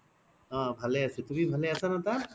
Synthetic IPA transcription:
ãbʱaleaset̪ubibʱaleasanat̪a

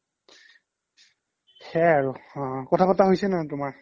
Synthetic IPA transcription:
xɛaɹũkɔtʰapataɦojsɛnatʊmaɹ

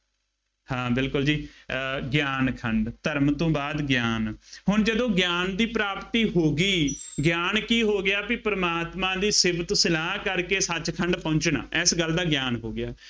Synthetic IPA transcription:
hãːbɪlkʊld͡ʒiːɡjaːnkʰəɳɖt̪əɾmt̪õːbaːd̪ɡjaːnhʊɳd͡ʒəd̪õːɡjaːnd̪iːpɾaːpt̪iːɦoːɡiːɡjaːnkiːɦoːɡɪjaːpɪpəɾəmaːt̪mãːd̪iːsɪbət̪sɪlaːɦkəɾkeːsət͡ʃkʰəɳɖpɔ̃ːɲt͡ʃna̰ːʔɛsɡəld̪aːɡjaːnɦoːɡɪjaː

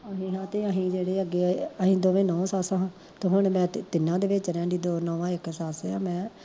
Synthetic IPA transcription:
əɦĩnãːt̪eːəɦĩːd͡ʒeːɽeːəɡːeːəɦĩːd̪oːʋẽːnɔ̃ːsaːsãːãː | t̪õːɦʊɳmɛ̃ːt̪ɪnːãːd̪eːʋɪt͡ʃɾɛ̃ːd̪iːd̪oːnɔːʋãːɪksaːseːãːmɛ̃ː

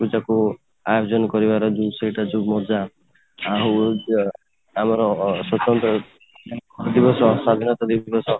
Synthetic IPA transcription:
ud͡ʒaku | ajd͡ʒɔnkɔɾibaɾɔd͡ʒusejʈad͡ʒumɔd͡ʒaː | ɦu | amɔɾɔsɔt̪jɔnt̪ɔ | d̪ibɔsɔ̃sad̪ʱinɔt̪ad̪ibɔsɔ̃

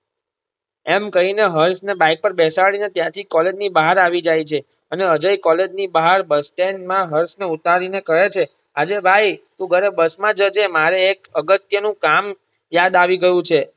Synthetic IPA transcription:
ɛmkəɦineɦəɾsnebãik̚pəɾbɛsaɭinet̪jãt̪ʰikɔled͡ʒnibaɦaɾaʋid͡ʒajt͡ʃʰe | əneəd͡ʒəikɔled͡ʒnibaɦaɾbəsʈeɳɖmãɦəɾsneut̪aɾinekəɦet͡ʃʰe | ad͡ʒebʱajt̪ũɡʱəɾebəsmãd͡ʒəd͡ʒemaɾeːkəɡət̪jənũkam | jad̪aʋiɡəjũt͡ʃʰe

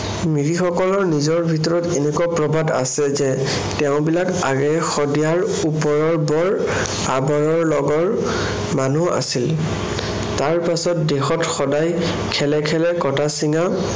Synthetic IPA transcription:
miɹixɔkɔlɔɹnizɔɹbʱitɔɹɔtenɛkuapɹɔbʱada̰sɛzɛ | tɛʊ̃bilaka̰ɡɛxɔdijaɹ | upɔɹɔɹbɔɹ | abɔɹɔɹlɔɡɔɹ | manua̰sil | taɹpasɔt̚dexɔtxɔdaj | kʰɛlɛkʰɛlɛkɔtasiŋa

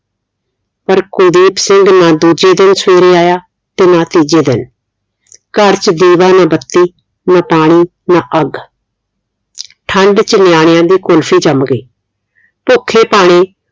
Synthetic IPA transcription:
pəɾkʊd̪iːpsɪŋɡnãːd̪uːd͡ʒeːd̪ɪnsʋeːɾeːaːjaː | t̪eːnãːt̪iːd͡ʒeːd̪ɪn | kəɾt͡ʃd̪iːʋaːnaːbət̪ːiː | nãːpaːɽ̃iː | naːʔəɡ | ʈʰəɳɖt͡ʃnɪjaːɽ̃ɪjãːd̪iːkʊlpʰiːd͡ʒəmɡeː | pʊkʰːeːpaːɽ̃eː

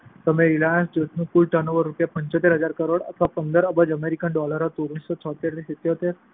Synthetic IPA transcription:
t̪əmẽɾilãsd͡ʑot̪nũkulʈənəʋəɾːupjapəɲt͡ɕot̪eɾɦəd͡zaɾkəɾoɽə̰t̪ʰʋapənd̪əɾəbəd͡ʑəmeɾikənɖɔləɾat̪oɾusɔt͡ɕʰɔt̪eɾt̪isit̪jot̪eɾ

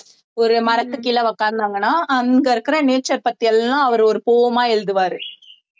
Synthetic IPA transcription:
ɔɾɯmɐɾɐt̪ːɯkːɪlɐʋɐkːaːnd̪aːŋɡɐnːaːʔɐŋɡɐɪɾɯkːɯɾɐneːt͡ʃɐɾpɐt̪ːɪjɐllãːɐʋɐɾɯɔɾɯpoːʋɐmaːɛɻd̪ɯʋaːɾɯ

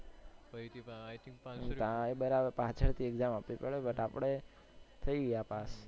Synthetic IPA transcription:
t̪ãebəɾabəpãt͡ʃʰəɽt̪ʰieɡzamapɾipəɭebəʈapɽe | t̪ʰəiɡapas

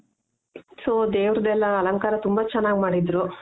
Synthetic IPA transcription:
soːd̪eːʋɾɐd̪ɛlːɐːlɐŋkaːɾɐt̪umbɐt͡ʃɛnːaːɡmaːɽid̪ɾu

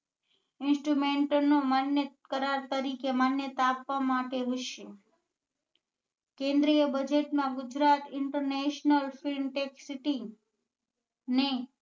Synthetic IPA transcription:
ɪnsʈɾumeɳʈnomanjəkəɾaɾt̪əɾikemanjət̪apʋamaʈeɦoʃe | kẽnd̪ɾijəbəd͡ʒeʈmãɡʊd͡ʒɾat̪ɪɳʈəɾneʃnəlfilɳʈeksiʈi | ne

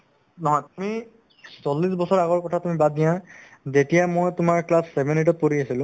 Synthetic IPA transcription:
nɔɦɔjtumi | sɔlːisbɔsɔɹaɣɔɹkɔtʰatumibad̚dijãzetijamojtʊmaɹklasːɛbʱɛnet̬ɔt̚poɹiasilʊ̃

